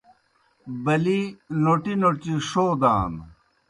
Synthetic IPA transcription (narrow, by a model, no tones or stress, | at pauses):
bɐlinoʈinot͡ɕiʂoːd̪a̰ːn